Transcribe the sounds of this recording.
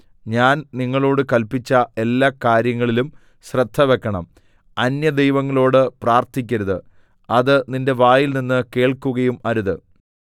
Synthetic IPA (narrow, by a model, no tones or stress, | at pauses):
ɲaːnniŋːɐɭo̞ːɽɨkɐlpit͡ɕːɐe̞lːaːkaːɾjɐŋːɐɭilum | ɕrɐd̪ʱːɐʋe̞kːɐɳɐ̰m | ɐnjɐd̪e̞jʋɐŋːɐɭo̞ːɽɨpraːrt̪ik̬ʲːɐɾuðɨ | ɐðɨninde̞ʋaːjilninːɨke̞ːɭkuɣɐjumɐɾuðɨ